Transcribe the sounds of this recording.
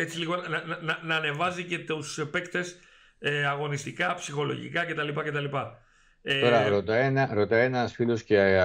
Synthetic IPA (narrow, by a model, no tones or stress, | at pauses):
et͡siliɣo̞nɐnɐnɐnɐːne̞vɐzice̞t̪usepe̞kt̪e̞s | eɐɣo̞nist̪ikɐpsixo̞lo̞̰ʝḭkɐce̞t̪ɐlipɐce̞t̪ɐlipɐ | et̪o̞ɾɐɾot̪ɐenɐɾot̪ɐenɐsfilosce